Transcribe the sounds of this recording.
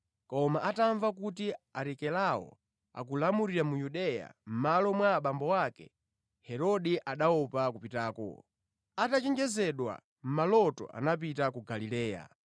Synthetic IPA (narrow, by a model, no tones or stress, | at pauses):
kɔmaʔataɱvakutiaɾɛkɛlawɔ̰ | a̰kulamuɾiɾamujuɗɛja̰m̩malɔmwaːɓambɔwakɛ | hɛɾɔɗiʔaɗaɔpakupitaːkɔ̰ | atat͡ʃɛnd͡ʒɛzɛɗwa̰ | m̩malɔtɔ̰ʔa̰nap̬itakuɡalilɛːja̰